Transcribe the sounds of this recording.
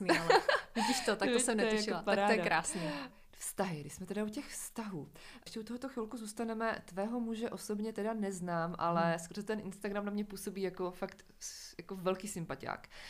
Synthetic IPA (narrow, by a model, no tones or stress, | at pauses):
mialviɟiʃt̪ot̪ak̪oɪsɛmnɛj̪ujaʃɪolapaaɾaːojɛdaɾaːsni | fst̪aɦɪɡɾɪʃsmɛt̪ɛdaucɛxfst̪aɦuː | ʃcɛʔut̪oɦot̪oxɪlkuzuːst̪anɛmɛ̰t̪vɛːɦo̞muʒɛʔosobɲɛt̪ɛdanɛznaːmʔa̰lɛskoɾzɛt̪ɛnʔɪnst̪aɡɾamnamɲɛpuːso̞biːjako̞fakt̪ | jako̞vɛlkiːsɪmpaca̰ːk